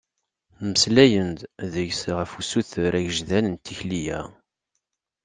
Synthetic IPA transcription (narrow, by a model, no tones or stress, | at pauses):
məslæjənd̪ðəʝsʁəfusuθɾæʝəʒðænənt̪ʰːiçlijæ